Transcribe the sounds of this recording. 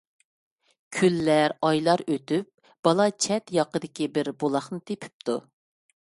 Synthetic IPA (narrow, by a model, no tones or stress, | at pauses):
kʲʰylːæɾɑjlˠɑɾøt̪yp̚ | b̥ɑlˠɑt͡ʃʰɛt̪jɑqəd̪ɪkʲibɪɾbolˠɑχnɨt̪ʰepʰy̥p̚t̪ʰu